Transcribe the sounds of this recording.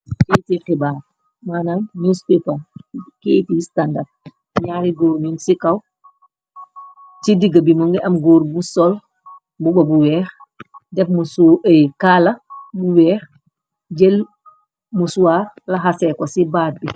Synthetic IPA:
ketixibaːɾ | manannuspepaketistanda | ɲaːɾiɡoɾɲunsikaw | tidiɡabimɔŋɡɛʔamɡoːɾbusɔl | bubabuwɛːx | dɛfmuskalabuwɛːx | d͡ʒɛl | musuwaɾlaɦasɛkɔsibaːd̚bi

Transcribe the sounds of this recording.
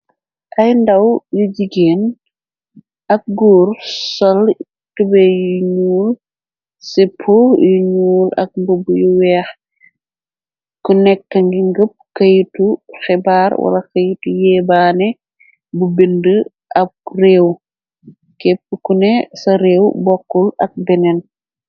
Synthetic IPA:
ʔɐjndɐwjuɟiɡɛːn | ɐk̚ɡuːɾsɔl | tubɛjuɲuːl | sɛpʰojuɲuːlɐ̰k̚mbubujuwɛːx | kunɛkːɐŋɡiŋɡəp̚kɐjtuxɛbaːɾwɐ̰lɐkɐjtujɛːbaːnɛ | bubendə | ʔɐb̚rɛːw | kɛp̚kukunɛsɐɾɛːwbɔkːulɐk̚bɛnɛn

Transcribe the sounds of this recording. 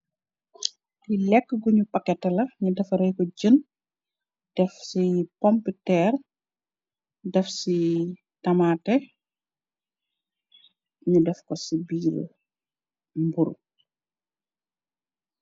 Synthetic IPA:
dilɛkːəɡuɲupɐkːɛtːɐlɐɲudɛfɐɾɛjkɔɟən | d̥ɛfsipɔmpətɛːr | dɛfsi | tɐmaːtɛ | ɲudɛfkɔsibiːɾ̰ | mbuɾṵ

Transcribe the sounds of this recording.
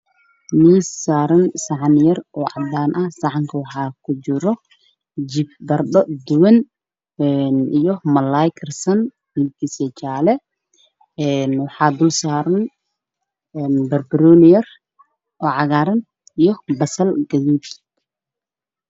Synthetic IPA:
misːaːɾɐnsɑʕɑnɪjɐrɔːʕɑ̰d̪aːnʔɐhsɑʕɑŋkʰɐwɑħɑːkʰʊt͡ʃɪɾɔ | d͡ʒɪb̚bɐrɗɔd̪ʊwɐn | ɛnijɔmɐlajkʰɐrsɐn | mɪlkisɛt͡ʃaːlɛ | ɛnwɑħɑːd̪ʊlsaːɾɐn | ɛːnbɐrbɪɾɔːnɪjɐr | ʔɔːʕɑɣaːɾɐn | ijɔbɐsɐlɡɐðuːd̪

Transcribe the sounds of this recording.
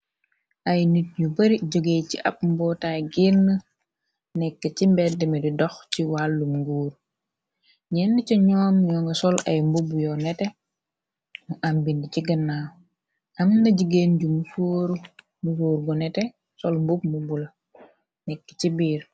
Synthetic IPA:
ʔɐjnit̚ɲubɐɾiɟoɡejciʔɐ̰p̚mbɔtajɡiɾnə | nɛkːəcimbɛdimedidɔxciwalːumŋɡuːɾ | ɲɛndit͡ʃɐɲɔːmɲɔːŋɡɐsɔlɐjmbubujɔnɛtɛ | nuʔambindit͡ʃiɡənːaː | ʔɐmnɐɟuɡenɟumufoːɾ | mufoːɾɡɔnɛte | sɔlmbub̚mbubulɐ | nɛkːə̥cibiːɾ

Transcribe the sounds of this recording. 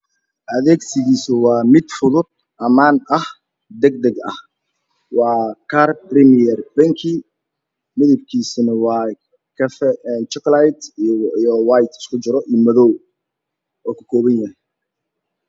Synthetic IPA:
ʔɐðɛːɡsɪɣiːsʊwɑːmɪd̪fʊðʊd̪̚ | ʔɐmaːnɐh | d̪ɛɡd̪ɐɡɐ̰h | wɑːkʰarbrɪmiɛrbɐŋkʰi | mɪðɪbkʰiːsɪnɐwɑː | kʰɐfɛnt͡ʃɛklajt̪jɔwajt̪ɪ̥skʰʊt͡ʃɪɾɔʔiːmɐðɔw | ʔɔːkʰɐ̥kʰɔːβɐnjɐɦɛj

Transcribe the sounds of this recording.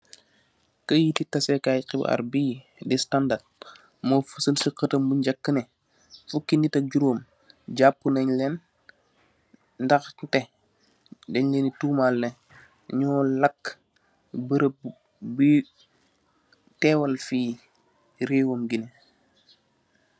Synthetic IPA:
kɐjititɐsɛkajqib̰a̰ɾbiː | distandat̚ | mofusəlsiqətɐmbuɲɟakːənɛ | fukːinitɐɟuɾoːm | ɟapːunɐɲlɛn | ndɐxtɛ | dɛɲlɛnitumalne | ɲɔːlɐkː | bəɾəp | bi | tɛːwɐlfiː | ɾeːwomɡine

